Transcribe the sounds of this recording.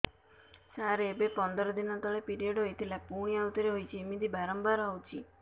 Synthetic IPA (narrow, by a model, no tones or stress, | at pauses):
saɾeːbepɔnd̪ɔɾɔd̪inɔt̪ɔɭepiɾieɖoɦet̪ʰilapuɽ̃iaut̪ɔɾeɦojt͡ʃʰiemid̪ʱibaɾɔmbaɾawt͡ʃʰi